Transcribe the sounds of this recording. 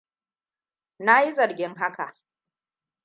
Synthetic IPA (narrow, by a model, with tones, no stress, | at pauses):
na˦ji˦zɐ˨rɡʲɪ˦ŋɦa˦ka̰˨ʔ